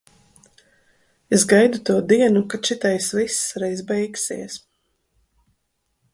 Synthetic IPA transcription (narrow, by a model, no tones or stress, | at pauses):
ezɡajd̪ut̪uɔd̪iɛnukat͡ʃit̪ajsvisɾɛjzbɛjksḭɛs